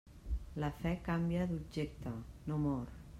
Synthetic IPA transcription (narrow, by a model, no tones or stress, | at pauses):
ləfɛkambjad̪ubd͡ʒek̚t̪ənomɔɾ